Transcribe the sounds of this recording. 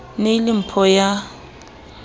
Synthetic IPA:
nelim̩pʰɔja

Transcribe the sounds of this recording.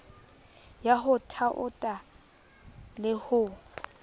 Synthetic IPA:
jaɦʊtʰaʔʊ̰tʼa | lɪhʊ

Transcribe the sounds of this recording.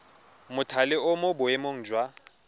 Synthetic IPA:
mʊtʰalɪʊmʊbʊemoŋ̩ːd͡ʒwa

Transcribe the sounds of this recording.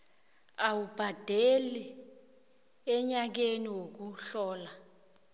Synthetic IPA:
awub̥ʱad̥ʱeli | ɛɲak̬eniwok̬uɬɔːla

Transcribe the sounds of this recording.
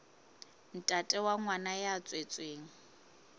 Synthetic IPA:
n̩tʼatʼɛwaŋwanajat͡sʼwet͡sʼweːŋ̩

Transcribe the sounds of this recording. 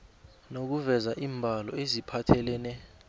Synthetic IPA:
nok̬uvɛzaʔiːmbʱalɔezipʰatʰɛlɛnɛ

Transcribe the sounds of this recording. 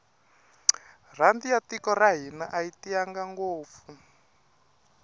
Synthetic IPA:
r̤andijatikɔraɦinaʔaitijaŋɡaŋɡoːp̪fu

